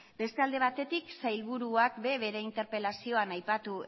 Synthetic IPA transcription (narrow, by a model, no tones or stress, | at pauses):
be̞st̪e̞ald̪e̞β̞at̪e̞t̪iksajlβuɾuakbe̞βe̞ɾe̞int̪eɾpe̞lasio̞anajpat̪u